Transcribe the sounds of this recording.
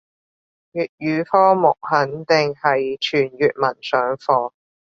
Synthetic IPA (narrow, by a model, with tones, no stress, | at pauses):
jyː˨t̚jyː˨˧fɔː˥mʊ˨k̚hɐ˨˥nt̪ɪ˨ŋhɐ˨jt͡ʃʰyː˨˩njyː˨t̚mɐ˨˩nsœː˨˥ŋfɔː˨˧